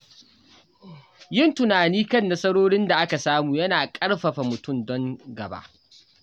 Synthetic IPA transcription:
jɪ˦˨ntʊ˨naː˨niː˦kɐ˦˨nːa˦sɐ˦ɽoː˦ɽɪ˦nda˨ʔa˦ka˨saː˦muː˨jɐ˦naː˨kʼɐ˦ɽɸɐ˨ɸa˨mʊ˨tʊ˦˨mdɔ˦ŋɡɐ˨ba̰˦ʔ

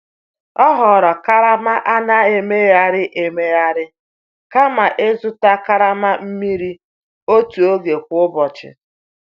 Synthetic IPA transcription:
ɔ˦ɦɔ˨ɾɔ˨ka˦ɾa˦ma˦ʔa˦na˦e˨me˦ja˦ɾɪ˦ʔe˨me˦ja˦ɾɪ˦ | ka˦ma˨ʔe˦zʊ˦ta˦ka˦ɾa˦ma˦m̩˦mi˦ɾi˦ | o˦tu˨o˦ɡe˨kʷʊ˦ʊ˦bɔ˨t͡ʃɪ̰˨

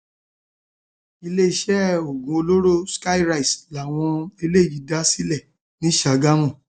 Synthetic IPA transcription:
i˧le˦i˦˧ʃɛ˦o˨ɡũ˨˦o˧lo˦ɾo˦˨ska˦i˦ɾa˦i˨sla˨w̃ɔ̃˧e˧le˦˨ji˨˦da˦si˦lɛ˦˨ | nĩ˨˦ʃa˨ɡa˦mũ˦˨

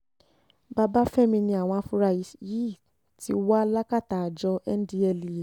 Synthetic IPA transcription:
ba˧ba˦fɛ˦˨mĩ˧nĩ˧a˨w̃ɔ̃˧a˧fu˦ɾa˧i˨˦ji˦˨ | ti˧˦wa˦la˦ka˦˨ta˨d͡ʒɔ˧ɛ˦n˦di˧ɛ˧li˨e˨

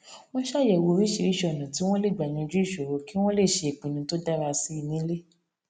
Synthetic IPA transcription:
w̃ɔ̃˦ʃa˦˨jɛ˨wo˧ɾi˦ʃi˧ɾi˦ʃɔ˧˨nã˨ti˨˦w̃ɔ̃˦le˦˨ɡ͡ba˨ɲĩ˧d͡ʒu˦i˦˨ʃo˨ɾo˨˦ki˦w̃ɔ̃˦le˦˨ʃe˧e˨k͡pĩ˨nĩ˨˦to˦da˦ɾa˧si˦i˦˧nĩ˨˦le˦

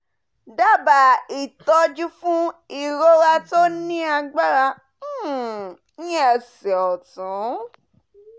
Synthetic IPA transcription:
da˦ba˨i˨tɔ˧d͡ʒu˦fũ˦i˨ɾo˧ɾa˧to˦nĩ˦a˧ɡ͡ba˦ɾa˧˦˨ | ɛ˧˨sɛ˨ɔ˨tũ˨˦

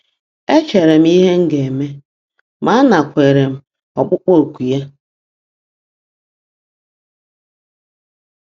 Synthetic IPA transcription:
e˦t͡ʃe˨ɾe˨m̩˦i˦ɦe˦ŋ̩˦ɡe˨e˨me˦ | ma˦a˦na˨kʷe˨ɾe˨m̩˨ | ɔ˨k͡pʊ˦k͡po˦˨kʷu˨ja˦

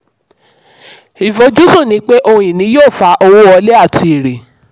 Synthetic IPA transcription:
i˨fo˨˦d͡ʒu˦su˦˨nĩ˧˦k͡pe˦ʔo˧j̃ĩ˨nĩ˨˦joː˦˨fa˨˧˦ʔo˧wo˦ɔ˧˦le˦a˦˨tʰi˧e˨ɾe˨

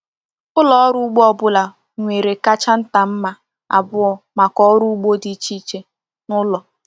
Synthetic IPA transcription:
ʊ˦lɔ˦ɔ˦ɾu˦ɡ͡bo˦ɔ˨bʊ˦la˨ | ŋʷe˨ɾe˨ka˦t͡ʃa˦n̩˦ta˨m̩˦ma˨ | a̰˨bʊ˦ɔ˨ma˨kɔ˦ɾu˦ɡ͡bo˦di˨˦t͡ʃi˦t͡ʃe˦ | nʊ˦lɔ˨

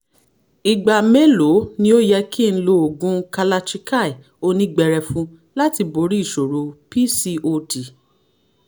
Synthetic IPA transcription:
i˨ɡ͡ba˨me˦lo˨˦nĩ˦o˦jɛ˧ki˦˨n̩˦lo˧o˨ɡũ˦ka˧la˧t͡ʃi˧ka˦˨i˨ | o˧nĩ˧ɡ͡bɛ˧ɾɛ˧fũ˧ | la˦ti˧bo˧˦ɾi˦˨ʃo˨ɾo˨˦pi˦si˧o˧ti˨

